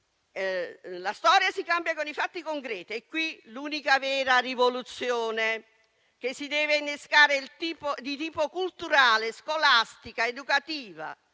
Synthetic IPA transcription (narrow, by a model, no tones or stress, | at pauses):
last̪ɔːɾjasikambjakonifat̪ːikoŋkɾɛːt̪iɛkːwiluːnikavɛːɾarivolut̪sːjɔːne | k̟esːid̪ɛːvɪnːeskaːɾeilt̪iːpod̪it̪iːpokult̪uɾaːleskolast̪ikaed̪ukat̪iːva̰